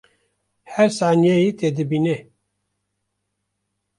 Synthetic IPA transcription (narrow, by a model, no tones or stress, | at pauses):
hɛɾsaːnijejit̪ed̪ɨbine